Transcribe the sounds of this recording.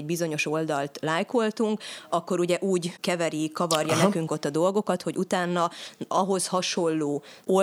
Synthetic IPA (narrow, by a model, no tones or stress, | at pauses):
bizo̞ɲo̞ʃo̞ld̪ɒlt̪laːjko̞lt̪uŋkɒkːo̞ɾuɟɛʔuːɟkɛvɛɾikɒvɒrjɒnɛkyŋko̞t̪ːɒd̪o̞lɡo̞kɒt̪ho̞ɟut̪aːnːɒɒɦo̞shɒʃo̞lːoːo